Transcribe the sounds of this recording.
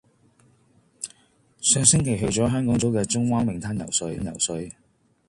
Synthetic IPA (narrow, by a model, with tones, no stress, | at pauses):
sœː˨˧ŋsɪ˥ŋkʰe˨˩jɦɵ˧˩jt͡sɔː˨˥ɦœː˥ŋkɔː˨˥ŋt͡so˨˥wkɛː˧t͡sʊ˥ŋwaː˥nmɪ˨ŋt̪ʰaː˥njɐ˨˩wsɵ˨˥ɥnjɐ̰˨˩wsɵ˨˥ɥ